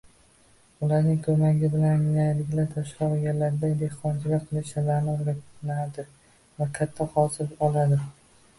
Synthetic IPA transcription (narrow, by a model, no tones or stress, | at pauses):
ʊlaɾnɪŋkʰɵmaɡʲɪbɪlanjajlɪɡʲlaɾt̪ʰaʃqaɡʲaɾlaɾd̪ad̪eqɒnt͡ʃɪɡʲaqʰɨlɪʃalaɾnɪɡʲat̪nad̪ɪ | vakʲʰat̪ʰːahɒsɪzɒlˠad̪ɪ